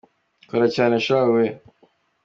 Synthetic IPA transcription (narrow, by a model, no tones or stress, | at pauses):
koɾacaːneʃawe